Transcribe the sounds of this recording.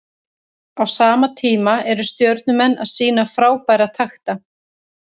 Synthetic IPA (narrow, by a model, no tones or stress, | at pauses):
awsaːmat̪ʰiːmaɛɾʏst̪jœwɾt̪nʏmɛnːʔa̰ðsiːnafɾaːwpaːjɾat̪ʰaxt̪a